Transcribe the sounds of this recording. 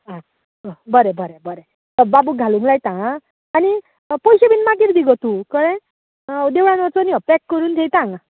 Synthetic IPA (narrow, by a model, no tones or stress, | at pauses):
ã | bəɾebəɾebəɾe | t̪əbabuɡʱalũŋɡlajt̪ãː | ni | pɔjɕebinmak̬iɾd̪iɡɔt̪ukəɾẽ | d̪eʋɽãnɔt͡sɔniɔpɛkːəɾuːnt̪ʰejt̪ãŋɡa